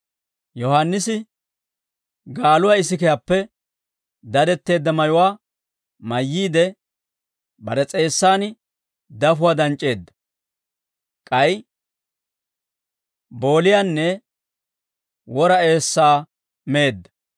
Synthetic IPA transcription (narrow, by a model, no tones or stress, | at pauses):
jɔhanːɪsɪ | ɡaːlʊwaɪsɪkɛjaːpːɛ | d̪ɐd̪ɛt̪ːe̞ːd̪ːɐmɐjʊwaː | mɐjːiːd̪ɛ | bɐ̰ɾɛt͡sʼe̞ːsːaːn | d̪ɐfʊwaːd̪ɐnt͡ʃʼːe̞ːd̪ːɐ̥ | kʼɐj | bo̞ːlɪjanːɛ | wɔɾɐe̞ːsːaː | meːd̪ːɐ̥